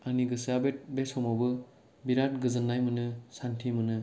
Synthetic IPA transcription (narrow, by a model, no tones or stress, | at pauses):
aniɡɯsabet̚besɔmɔbɯ | biɾat̚ɡɯzɯnːajmɯnɯsantʰimɯnɯ